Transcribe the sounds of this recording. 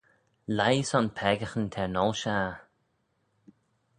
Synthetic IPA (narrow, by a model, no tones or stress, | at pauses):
lajsɔnpʰɛːɡəxənt̪ʰɛɹnɔlʃaː